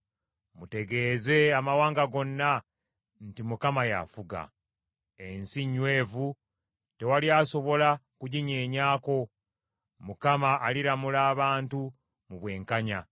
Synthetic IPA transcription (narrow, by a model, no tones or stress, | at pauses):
mute̞ɡe̞ːze̞amawaːŋɡaɡo̞nːa | ntimukamaja̰fuɡa̰ | ensiɲːwe̞ːvu | te̞waliaso̞βo̞lakuɟiɲeːɲaːko̞ | mukamaʔːliɾamulaːβaːntu | muβwe̞ːŋkaɲa